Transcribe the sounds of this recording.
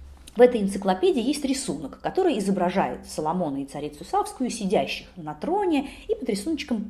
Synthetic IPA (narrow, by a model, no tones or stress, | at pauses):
vɛt̪əjɪnt̪sɨklˠɐpʲedʲɪːjesʲtʲɾʲɪsunəkːɐt̪o̞ɾɨjɪzəbɾɐʐa̰jɪ̰t̪səlˠɐmo̞nəit̪sɐɾʲit̪sʊsafskʊjʊsʲɪdʲæɕːɪxnɐt̪ɾo̞nʲɪipəd̪ɾʲɪsunət͡ɕːkəm